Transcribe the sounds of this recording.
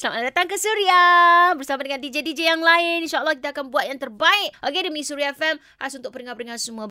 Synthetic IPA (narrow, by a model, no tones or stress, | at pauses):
səlamanadat̪aŋkəsuɾiabərsamadəŋandid͡ʒedid͡ʒejaŋlaɪninʃaəlːɔhk̬it̪aːkanbuat̪̚jaŋt̪ərbaɪʔ̚aɡedəmisuɾiafɛm | hasunt̪ʊʔ̚pəɾəŋapəɾəŋansumuãb